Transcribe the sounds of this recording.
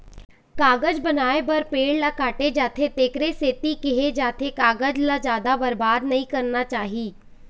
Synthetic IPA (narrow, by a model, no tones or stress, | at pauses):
kaːɡəd͡ʒbənaːebəɾpeːɽlaːkaːʈed͡ʒaːt̪ʰeːt̪eːkɾeseːt̪iːkɪɦeːd͡ʒaːt̪ʰeːkaːɡəd͡ʒlaːd͡ʒjaːd̪aːbəɾbaːd̪nəĩːkəɾnaːt͡ʃaːɦiː